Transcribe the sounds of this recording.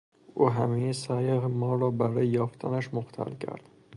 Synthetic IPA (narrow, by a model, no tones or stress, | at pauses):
ʔuːɦæmijesæːjehemɒːɾɒːbæɾɒːjejɒːft̪ʰæ̰næʃmoxt̪ʰæ̰lcʰæ̰ɾd̪̥